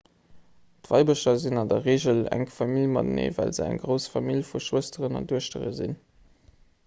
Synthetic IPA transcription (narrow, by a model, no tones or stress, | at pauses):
tvɑɪbəʃɐzinɑndɐʁeːʑəlæ̰ŋfɑmiljmɑ̰dnḛːvæ̰lzə̰æ̰ŋɡʁəʊsfɑmilfuʃuəstəʁənɑ̰nduəʃtəʁə̰zḭn